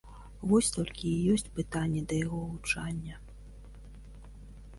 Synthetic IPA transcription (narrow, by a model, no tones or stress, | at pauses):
vɔsʲt̪ɔlʲkʲijɔsʲt͡sʲpɨt̪anʲːɛd̪ɐjaɣɔvut͡ʂanʲːɐ